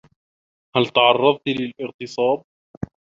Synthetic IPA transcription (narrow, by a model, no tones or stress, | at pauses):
halt̪aʕɑrˤːɑðˤt̪lɪlʔɪɣt̪ɨsˤɑːb̚